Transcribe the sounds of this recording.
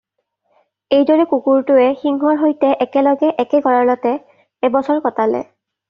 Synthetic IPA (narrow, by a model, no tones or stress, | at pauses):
ejdɔɹɛkukuɹtʊɛxiŋɦɔɹɦojtɛʔɛkɛlɔɡɛʔɛkɛɡɔɹaɹlɔtɛː | bɔsɔɹkɔtalɛ̰